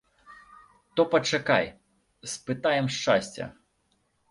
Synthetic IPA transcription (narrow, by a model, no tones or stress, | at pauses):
t̪ɔpɐt͡ʂaka̰j | spɨt̪ajɛmʂt͡ʂa̰sʲt͡sʲɐ̰